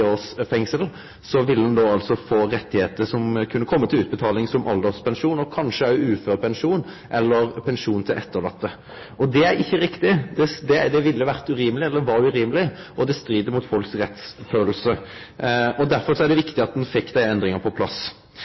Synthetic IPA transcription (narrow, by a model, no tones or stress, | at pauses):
oːsfɛŋsəl | sɔʋɪlːəd̪ɛnd̪oːɑlt̪sɔfoːɾɛt̪ːɪheːt̪əʂɔmkʰʉnːəkʰɔmːət̪ʰɪlʉːt̪bət̪ʰɑːlɪŋsɔmʔɑ̰ld̪əspʰɛnʂuːnɔkʰɑnʂəæʉːføːʁpʰɛnʂuːn | ʔɛlːəɾpʰɛnʂuːnt̪ʰɪlʔɛt̪ːəɾlɑt̪ːə | ɔd̪ɛæɾɪçːəɾɪkt̪ɪd̪ɛd̪ɛd̪ɛʋɪlːəʋæʁt̪ʉɾiːməlɪɛld̪ɛʋɑɾʉɾiːməlɪ | ʔɔd̪ɛst̪ɾiːd̪əmʊt̪fɔlksʁɛt̪sføːllsə | ɔd̪æɾfɔɾsɔæɖɛʋɪkt̪ɪɑt̪̚d̪ɛnfɪkːd̪æɪɛnd̪ɾɪŋəpʰɔpʰlɑ̰s